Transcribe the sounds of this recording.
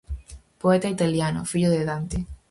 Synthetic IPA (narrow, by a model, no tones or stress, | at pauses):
poet̪ait̪aljano̰fiʎoðeðant̪e